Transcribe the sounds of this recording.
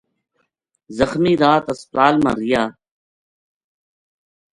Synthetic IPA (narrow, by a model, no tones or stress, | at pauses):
zɐxmiːd̪aːt̪ɐspɾaːlma̰ɾijaː